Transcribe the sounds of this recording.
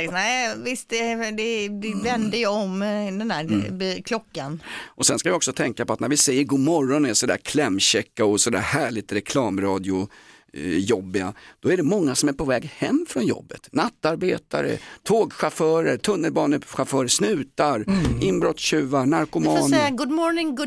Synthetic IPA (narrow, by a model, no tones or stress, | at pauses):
nɛɪvɪst̪ɛd̪ɛɪvɛnd̪əjəɔmd̪ɛnd̪æːɾkʰlɔkːanɔsɛnskavɪɔksɔt̪ʰɛŋkapɔat̪næɾvɪsɛjːəɾɡuːmɔɾɔnɛsɔd̪æ̰ːɾkʰlɛmːɕɛkːaɔsɔd̪æ̰ːɾhæːɭɪt̪ɾɛkʰlɑːmɾɑːd̪ɪʊ | jɔbːɪɡa̰d̪̥ɔæɖɛmɔŋːasɔmæɾpʰɔvɛːɡhɛmːfɾɔnjɔ̰bːət̪nat̪ːaɾbeːt̪a̰ɾə̰t̪ʰoːɡɧafœːɾət̪ʰɵnːəlbɑːnəɧafœːɾəʂnʉ̟ːt̪aɾɪnbɾɔt̪sɕʉ̟ːvaɳaɾkʊmɑːnɛaɡʊd̪mɔɾnɪŋɡ